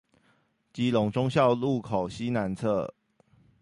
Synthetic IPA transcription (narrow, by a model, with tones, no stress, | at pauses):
t͡ɕi˨˦lʊ˨˧˥ŋʈ͡ʂʊ˥ŋɕjɑ˥˧ʊlu˥˨kʰo˨˩ʊɕi˦na˧˥nt͡sʰɤ˥˩˨